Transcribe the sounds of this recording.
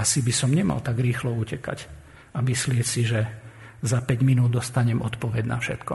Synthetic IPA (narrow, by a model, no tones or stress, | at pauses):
asibisɔmɲɛma̰lt̪aɡɾiːxlɔuːcɛka̰c | amislɪɛcsiʒɛ | zapɛɟminuːd̪̚d̪ɔst̪aɲɛmɔt̪pɔʋɛɟna̰fʃɛ̰t̪kɔ